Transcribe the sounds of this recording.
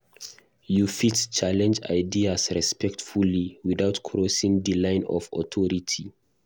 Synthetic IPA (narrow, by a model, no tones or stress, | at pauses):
jufitt͡ʃalɛ̃nd͡ʒa̰ɪdiasɹɛspɛk̚tfuliwiðawtkʰɹɔsĩŋdilãɪ̃nɔ̰fɔ̰tʰɔɹitʰi